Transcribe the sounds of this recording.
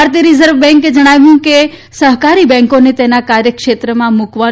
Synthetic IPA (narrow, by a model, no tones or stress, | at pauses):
aɾt̪iəɾizəɾʋbɛ̃ŋked͡ʒəɽ̃aʋũke | səɦkaɾibɛ̃ŋkonet̪enakaɾjəkʃet̪ɾəmãmukʋa